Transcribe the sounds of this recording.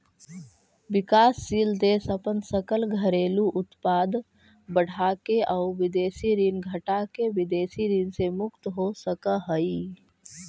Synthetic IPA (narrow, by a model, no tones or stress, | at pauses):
ʋɪkaːsːiːld̪eːsəpənsəkəlɡʱəɾeːluʔʊt̪paːd̪ | bəɽ̤ʱaːkeʔaʊʋɪd̪eːsiɾiːnɡʱəʈakeʋɪd̪eːsiɾiːnsemʊkt̪ɦosəkəɦəi